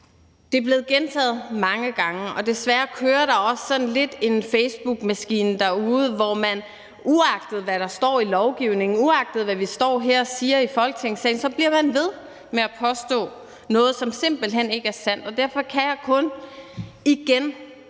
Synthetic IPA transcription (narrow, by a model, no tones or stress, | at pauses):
d̥e̝b̥le̝ːð̞̩ˠɡ̥ent͡sʰɛ̰ːð̩ˠmɑ̈ŋəɡ̥ɑ̈ŋəʔɒ̽d̥e̝sʋæːɐkʰøːɐɾ̥ɑ̈ɒ̽sːɒ̽n̩le̝d̥e̝nfeɪsb̥uɡ̥mæsɡ̥ḭːnd̥æuːð̩ˠʋɒmæn | uɑ̈ɡ̥d̥ð̩ˠʋæɾɑ̈sd̥ɒ̰ːilɒʊɡ̥iʊne̝ŋn̩uɑ̈ɡ̥̚d̥ð̩ˠʋæʋisd̥ɒ̰ːɦæɐ̰siːɐifɒ̽lɡ̥ət͡sʰe̝ŋsɛ̰ɪn̩sɒ̽b̥liɐmænʋe̝ð̞ˠ | meæpʰɒ̽sd̥ɔ̰̽ː | nɔ̽ːð̩ˠsɒ̽mse̝m̰b̥l̩ɦen̰e̝ɡ̥əæɐsæn̰d̥ɒ̽d̥æɐ̰fɒ̽kʰæjɑ̈kʰɔ̽n | iɡ̥en